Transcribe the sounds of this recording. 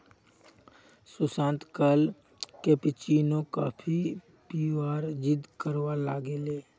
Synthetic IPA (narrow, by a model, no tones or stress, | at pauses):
sʊsãːnt̪kəl | kepɪt͡ʃiːnõkaːpʰi | piːʋaːɾd͡ʒɪd̪kəɾwalaːɡeleː